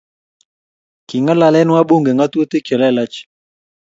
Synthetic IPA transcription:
ki˨ŋa˦la˨lɛ˦n˦wa˦ɓo˦ŋɡe˨ŋa˦to˦t̪e˦kɛ˨la˦ɛ˨la˦t͡ʃ

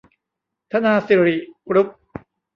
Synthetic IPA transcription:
t̪ʰa˧˥naː˧si˨˩ɾi˨˩kɾu˦˥p̚

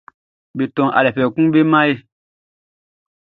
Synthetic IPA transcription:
be˨tɔ̃˨ʔa̰˨lɛ˨pɛ˨kũ˦be˦mã˦je˦

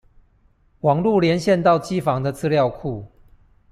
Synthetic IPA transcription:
wɑ˨˩ŋlu˥˨ljɛ˧˦nɕjɛ˥˧nt̪ɑ˥˨ʊt͡ɕi˦fɑ˨˦ŋd̪ə˨t͡sɹ̩˥˧ljɑ˥˨ʊkʰu˥˩

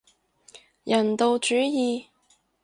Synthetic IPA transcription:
jɐ˨˩nt̪o˨˧wt͡ʃyː˨˥jiː˨˧

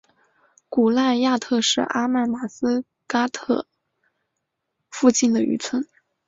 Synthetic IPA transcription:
ku˨˩la˥˧ja˥˧t̪ʰɤ˥˧ʂɻ̩˥˩ʔa˥ma˥˩nma˨˩sɹ̩˥ | ka˥t̪ʰɤ˥˩ | fu˥˧t͡ɕi˥˩nd̪ə˩y̰˧˥t͡sʰwə˥n

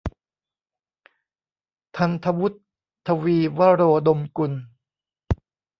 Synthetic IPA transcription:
t̪ʰa˧nt̪ʰa˧wu˦˥t̪ʰː | a˧wiː˧wa˦˥ɾoː˧do˧mku˧n

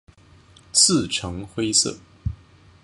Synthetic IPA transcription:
t͡sʰɹ̩˥˩ʈ͡ʂʰɤ˧˥ŋxwe˥ɪsɤ̰˥˩

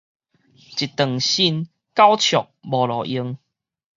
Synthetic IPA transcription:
t͡ɕi˨t̪ə˨˩ŋɕi˧n | ka˦wt͡ɕʰjɔ˨˩k̚bɔ˨lɔ˨˩ʔi˧˦ŋ

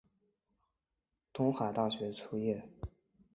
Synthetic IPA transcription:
t̪ʊ˧˥ŋxa˨˩t̪a˥˩ɕɥɛ˧˥ʈ͡ʂʰu˥jɛ˥˩

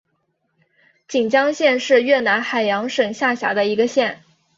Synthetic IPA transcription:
t͡ɕi˨˩ŋt͡ɕjɑ˥ŋɕjɛ˥˧nʂɻ̩˥˧ɥɛ˥˩na˧˥nxa˨˩ɪjɑ˧˥ŋʂɤ˨˩ŋɕja˥˩ɕja̰˧˥d̪ə˧i˧˥ɡə˧ɕjɛ˥˩n

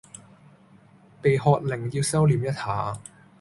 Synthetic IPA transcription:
pe˨jhɔː˧t̚lɪ˨˩ŋjiː˧wsɐ˥wliː˨˥mjɐ˥t̚haː˨˥

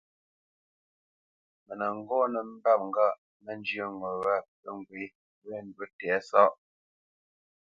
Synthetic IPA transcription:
mə˨nə˨ŋ˦ɡɔː˦nə˨m̩˦ba˦p̚ŋ˦ɡa˦˨ʔ | mə˨n˦d͡ʒjə˦˨ŋɡɔ˨ɣa˦pə˦˨ŋ˨ɡwe˨˦ | wɛ˦˨n˨dwə˦tɛ˨˦sɔ˦ʔ

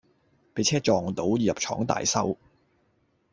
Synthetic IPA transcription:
pe˨˥jt͡sʰɛː˥t͡ʃɔː˨ŋ˨t̪o˨˥wjiː˨jɐ˨p̚t͡ʃʰɔ̰ː˨˥ŋt̪a̰ː˨jsɐ˥w

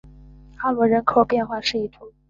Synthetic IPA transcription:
xa˥lwɔ˧˥ɻə˧˥nkʰo˨˩ʊpjɛ˥˧nxwa˥˧ʂɻ̩˥˧i˥˩t̪ʰu˧˥˦

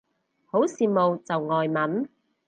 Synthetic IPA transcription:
ho˨˥wsiː˨mo˨wt͡sɐ˨wŋɔː˨jmɐ˨˥n

